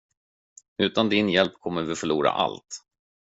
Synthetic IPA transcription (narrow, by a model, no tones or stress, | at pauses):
ʉ̟ːt̪and̪ɪnjɛlpkʰɔmːəɾvɪfœɭuːɾa̰ʔa̰lt̪